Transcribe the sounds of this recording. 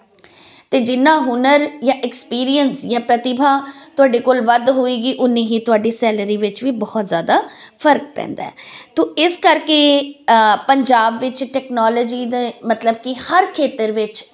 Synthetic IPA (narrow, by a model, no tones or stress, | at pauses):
t̪eːd͡ʒɪnːãːɦʊnəɾjãːʔɪkspiːɾijənsjãːpɾət̪ɪbʱaːt̪ʊaːɖeːkoːlʋəd̪ɦoiːɡiːʔʊnːẽːɦiːt̪ʊaːɖiːsɛːləɾiːʋɪt͡ʃʋiːbɔːt̪zjaːd̪aːfʰəɾk̚pɛ̰̃ːnd̪a̰ɛːt̪õːʔɪskəɾkeː | pəɲd͡ʒaːbʋɪt͡ʃʈɛːknɔːləːd͡ʒiːd̪eːmət̪ləb̚kɪhəɾkʰeːt̪əɾʋɪt͡ʃ